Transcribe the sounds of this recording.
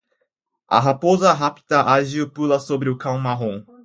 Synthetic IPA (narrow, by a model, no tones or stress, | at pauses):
a̰ɦapozɐɦapi̥d̪ɐʔaʒiopulɐsobɾɪʊkãw̃maɦõ